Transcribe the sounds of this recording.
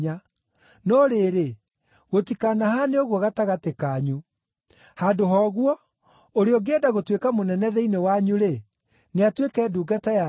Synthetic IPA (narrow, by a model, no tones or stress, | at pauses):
a | nɔːɾeɾe | ɣotikaːnahaneoɣwɔɣataɣatekaːɲu | handoɦɔːɣwɔ | oɾeɔɡeːdaɣotwekamonɛnɛðɛinewaɲuɾe | neatwekɛːduːɡataja